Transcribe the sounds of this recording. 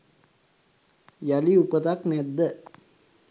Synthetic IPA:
jaliupət̪aknɛd̪ːə

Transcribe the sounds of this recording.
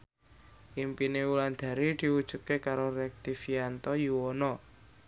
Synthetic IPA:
ʔimpineuland̪̥a̤ɾid̪̥i̤wud̥ʒ̥ṳt̪̚kekaɾoɾɛk̚t̪ifiant̪ɔjuwɔnɔ

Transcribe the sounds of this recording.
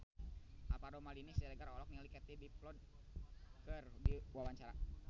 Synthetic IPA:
apaɾomalinisɛdəɡaɾɔlɔk̚nilikɛt̪ebiplɔd̚ | kərbiwawaɲt͡ʃaɾa

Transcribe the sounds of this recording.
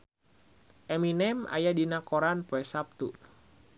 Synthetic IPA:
ʔɛminɛma̰jadinakoɾanpoɛsap̚t̪u

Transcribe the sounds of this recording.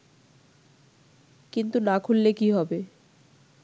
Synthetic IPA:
kint̪unakʰulːekiɦɔbe

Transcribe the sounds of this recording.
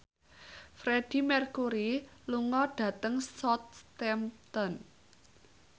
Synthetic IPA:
fɾed̥i̤mɛrkuɾiluŋɔɖ̥ä̤t̪əŋsɔt̪̚st̪ɛmt̪ɔn

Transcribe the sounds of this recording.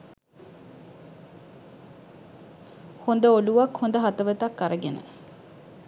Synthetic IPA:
hond̪əoluʋakhond̪əɦat̪əʋət̪akːaɾəɡenə̰

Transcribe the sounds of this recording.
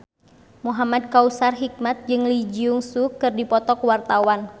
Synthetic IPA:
muɦamad̚kausarɦik̚mat̪̚d͡ʒɨŋlid͡ʒiuŋsukɨrdipɔt̪ɔkwart̪awan

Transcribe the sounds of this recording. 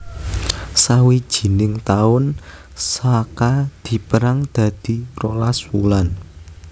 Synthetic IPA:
sawid̥ʒ̥i̤nɪŋt̪aʊn | sakad̪̥i̤pəɾaŋd̪̥ä̤d̪̥i̤rolaswulan

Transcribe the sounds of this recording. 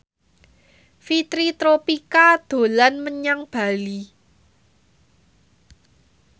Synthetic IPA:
fit̪ɾit̪ɾopikad̪̥o̤lanməɲaŋb̥a̤li

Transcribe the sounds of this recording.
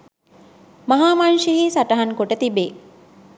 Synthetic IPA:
mɐɦaːmanʃiɦiːsaʈɐɦɐŋkoʈət̪ibeː

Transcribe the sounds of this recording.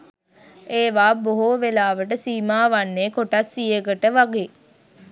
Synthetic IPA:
eːʋaːboɦoːʋelaːʋəʈəsiːmaːʋanːeːkoʈasːijəɡəʈəʋaɡe

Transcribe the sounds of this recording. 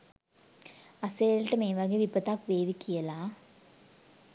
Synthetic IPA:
ɐseːlʈːɐmeːʋaɡeʋipːɐt̪aːkʋeːʋikːɪjɐlaː

